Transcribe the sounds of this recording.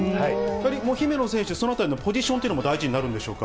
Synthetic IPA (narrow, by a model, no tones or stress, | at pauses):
aiaɾʲimoːçime̞no̞s̬ẽ̞ɰ̃ɕiesonoat̪aɾʲinopo̞ʑiɕõnt̪iɯnomod̪aiʑiɲinaɾɯ̟nd̪e̞ɕo̞̰ːka̰